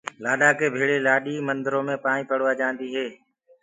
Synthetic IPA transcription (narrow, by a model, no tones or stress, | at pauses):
laːɗaːkeːbʱeːɽeːlaːɗiːmənd̪əɾõːmẽːpãːnĩːpəɽʋaːd͡ʒãːnd̪iːɦeː